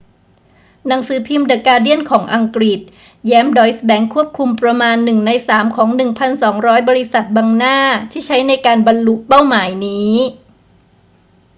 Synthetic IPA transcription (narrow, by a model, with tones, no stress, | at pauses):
na˩˦ŋsɯː˩˦pʰi˧mda˨˩kaː˧di˥˩ənkʰɔː˩˦ŋʔa˧ŋkɾi˨˩t̪̚ | jɛː˦˥mdɔː˦˥jsbɛ˨˥ŋkʰu˥˩əp̚kʰu˧mpɾa˧maː˧nːɯ˨˩ŋna˧jsaː˩˦mkʰɔː˩˦ŋnɯ˨˩ŋpʰa˧nsɔː˩˦ŋɾɔː˦˥jbɔː˧ɾi˧˥sa˨˩t̪̚baː˧ŋnaː˥˩t̪ʰiː˥˩t͡ɕʰa˦˥jna˧jkaː˧nba˧nlu˦ʔpa˥˩wmaː˩˦jniː˦˥